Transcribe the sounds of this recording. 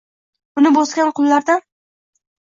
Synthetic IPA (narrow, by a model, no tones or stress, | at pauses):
ʊnɪbosɡʲanqʰʊlˠːaɾd̪a